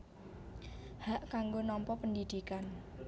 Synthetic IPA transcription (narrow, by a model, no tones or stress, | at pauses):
haʔkaŋɡonɔmpɔpənd̪id̪̥ikan